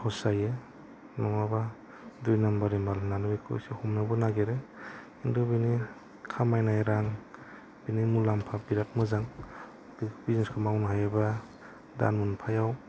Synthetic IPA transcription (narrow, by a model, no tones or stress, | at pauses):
hɔsaje | nɔŋaba | dujnambaɾimalnanubekʰo̰sihumnabɔnaɡeɾe | indubini | kʰamajnajɾaŋ | binimulampʰabiɾat̚mɯzaŋ | bbizneskʰamawnaɦajaba | da̰nmunpʰajaw